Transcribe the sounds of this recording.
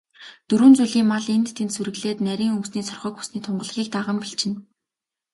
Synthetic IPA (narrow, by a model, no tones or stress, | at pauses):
t̪ɵɾuːnt͡suɮiːŋmaɮent̪t̪ʰent̪suɾɘ̆ɣɮeːt̪næɾʲiːŋɵmsniːsʰɔrχœːkxu̥sniːt̪ʰʊɴɢɞ̆ɮ̆ʁʲiːk̚t̪aʁə̆mpeɬt͡ɕɪ̆n